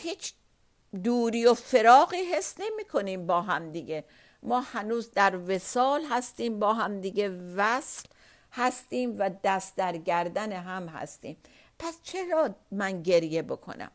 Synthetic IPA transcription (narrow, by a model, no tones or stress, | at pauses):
hiːt͡ʃʰ | d̪uːɾiːofe̞ɾɒːɣiːɦe̞sne̞miːkʰo̞niːmbɒːɦæmd̪iɡe̞ | mɒːhænuːzd̪æɾve̞sɒːlɦæst̪iːmbɒːɦæmd̪iɡevæsl | hæst̪iːmvæd̪æst̪d̪æɾɡæɾd̪æneɦæmɦæ̰st̪ḭːm | pʰæst͡ʃʰe̞ɾɒːmænɟe̞ɾje̞bokʰo̰næ̰m